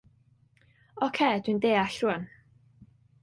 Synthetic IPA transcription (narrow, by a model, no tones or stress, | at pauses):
ɔkʰed̥windeːaɬruən